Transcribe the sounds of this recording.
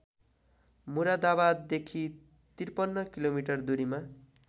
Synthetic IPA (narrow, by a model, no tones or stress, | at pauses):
muɾad̪abad̪ːekʰi | t̪irpʌnːʌkilomiʈʌrd̪uɾima